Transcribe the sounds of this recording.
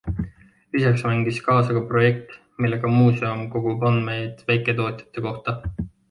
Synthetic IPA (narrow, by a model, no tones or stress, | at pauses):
lisɑksmæŋɡ̥iskɑːsɑkɑpro̞je̞k̚t̪ | milːe̞ɡ̥ɑmuːse̞omko̞ɡ̥upɑnd̪mejd̪̥væjkˑe̞t̪o̞ːt̪ʲˑjɑ̥t̪ːˑe̞ko̞ht̪ɑ